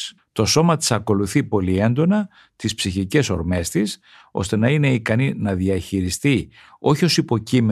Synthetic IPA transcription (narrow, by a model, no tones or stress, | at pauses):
t̪o̞so̞mɐt̪i̥sɐko̞luθipo̞lie̞nd̪o̞nɐ | t̪ispsiçice̞so̞ɾme̞st̪is | o̞̰st̪e̞nɐine̞ikɐninɐðiɐçiɾist̪i | o̞çio̞sipo̞cim